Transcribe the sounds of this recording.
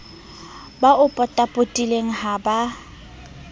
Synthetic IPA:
baʔʊpʼɔtʼapʼotʼileŋ̩ɦaba

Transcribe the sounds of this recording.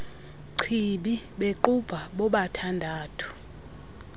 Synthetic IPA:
ǀʰiɓiɓeǃub̥ʱaɓɔɓatʰandʱaːtʰu̥

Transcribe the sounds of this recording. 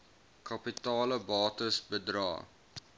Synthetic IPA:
kɐpitɑːləbɑːtəsbədrɑ̰ː

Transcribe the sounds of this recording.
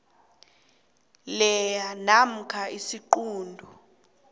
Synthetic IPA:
lɛjanam̩kʰaisiǃuːndʱɔ

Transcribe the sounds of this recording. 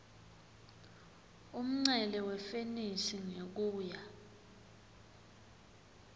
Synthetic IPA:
um̩ŋ͡ǀɛlɛwɛfenisiŋek̬uːja

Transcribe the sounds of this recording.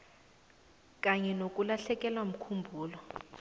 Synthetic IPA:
kʼaɲɛnok̬ʼulaɬɛk̬ʼɛlwam̩kʰumbʱuːlɔ

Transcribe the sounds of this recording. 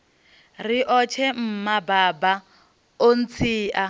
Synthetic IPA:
riʔɔt͡ʃʰɛm̩mabaːba | on̩t͡sʰiːʔa

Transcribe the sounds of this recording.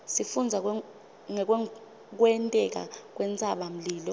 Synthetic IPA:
sifund͡zʱak̬w | ŋɛk̬wɛ | k̬wɛntʼɛk̬a̰k̬ʼwɛnt͡sʼaɓam̩liːlɔ

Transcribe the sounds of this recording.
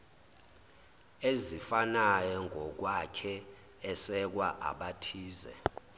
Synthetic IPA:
ezifanajɔŋʱɔk̬wakʰɛː | sɛk̬waʔa̰ɓatʰiːzɛ̰

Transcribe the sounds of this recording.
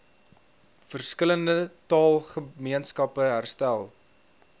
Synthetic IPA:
fərskələndətɑːlˠχəmiənskɐpəɦærstælˠ

